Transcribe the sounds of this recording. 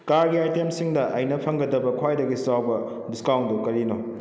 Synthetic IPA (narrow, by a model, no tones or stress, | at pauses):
kaɾɡiajtemsiŋdɐʔɐjnɐpʰɐŋɡɐdɐbɐkʰwajdɐɡisawbɐ | diskawndukɐɾino